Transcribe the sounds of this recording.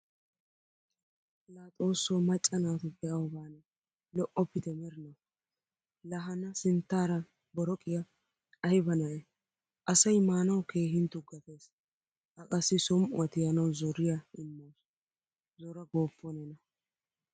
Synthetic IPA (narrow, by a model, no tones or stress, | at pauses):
laːt̪ʼo̞ːsːɔmɐt͡ʃʼːɐnaːt̪ʊbɛʔɐwʊbaːnɛ | lɔʔɔpːɪt̪ɛmɛɾɪnɐw | lɐɦɐnɐsɪnt̪ːaːɾɐ | bɔɾɔkʼɪjɐ | ɐjɪbɐnɐʔɛ | ʔɐsɐjmaːnɐwkeːɦɪnt̪ʊɡɐt̪eːs | ʔɐkʼɐsːɪsɔmʊ̰ɐt̪ɪjɐnɐwzɔɾɪjaɪnːɐːs | zɔɾɐɡoːpʰːɔnɛnɐ